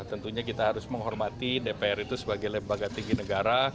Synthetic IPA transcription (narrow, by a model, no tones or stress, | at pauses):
t̪ənt̪uɲakit̪aɦaɾʊsməŋɦɔrmat̪idepeɛɾit̪usəbaɡajləmbaɡat̪iŋɡinəɡaɾa